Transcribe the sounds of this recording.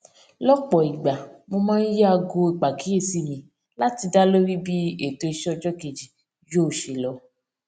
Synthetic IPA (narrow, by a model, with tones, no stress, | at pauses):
lɔ˦k͡pɔ˨i˨ɡ͡ba˨mo˧mãː˦n̩˦je˦a˧ɡo˧i˨k͡pa˨ki˨˦e˦˨si˦˨mĩ˧ | la˦ti˧da˦lo˦ɾi˦bi˦e˦˨to˧i˧ʃɔ˦ɔ˧d͡ʒɔ˦ke˧d͡ʒi˨ | jo˦˨ʃe˨lɔ˨˧˦